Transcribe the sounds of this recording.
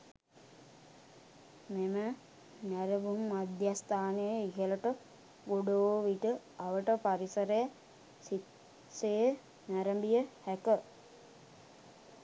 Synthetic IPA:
memə | næɾəʋumːad̪jast̪aːnejəiɦələʈə | ɡoɖooʋiʈə | aʋəʈəpaɾisəɾeja | sit | sejə | næɾəmbijəhækə

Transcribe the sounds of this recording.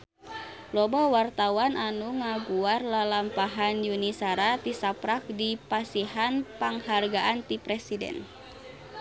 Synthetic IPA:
lɔbawart̪awananuŋaɡuarlalampaɦanjunisaɾat̪isapɾak̚dipasiɦanpaŋharɡaʔant̪ipɾɛsidɛ̰n

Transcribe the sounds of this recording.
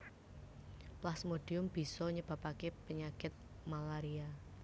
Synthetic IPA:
plasmoɖ̥iʊmb̥i̤sɔɲəb̥a̤pakepəɲakɪt̪̚malaɾia

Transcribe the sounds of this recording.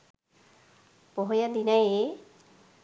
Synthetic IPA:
pɔɦojad̪inaje

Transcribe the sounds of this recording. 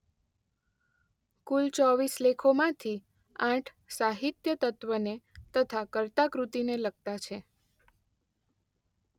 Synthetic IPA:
kult͡ʃɔʋislekʰomãt̪ʰi | ãʈʰ | saɦit̪jət̪ət̪ʋənet̪ət̪ʰakəɾt̪akɾut̪inelək̚t̪at͡ʃʰe

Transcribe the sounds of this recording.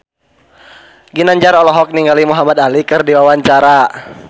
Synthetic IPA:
ɡinaɲd͡ʒaɾɔlɔɦɔk̚niŋɡalimuɦamad̪alikɨrdiwawaɲt͡ʃaɾa

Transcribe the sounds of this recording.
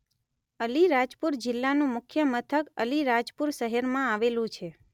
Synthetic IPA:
əliɾad͡ʒpuɾd͡ʒɪlːanũmʊkʰjəmət̪ʰəkəliɾad͡ʒpuɾʃəɦeɾmãaʋelũt͡ʃʰe

